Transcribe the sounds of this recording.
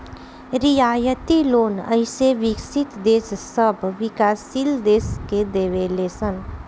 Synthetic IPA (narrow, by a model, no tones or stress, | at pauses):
ɾijaːjət̪iloːnə̰ɪseʋɪksit̪d̪eːssəbʱʋɪkaːsild̪eːsked̪eːʋelesən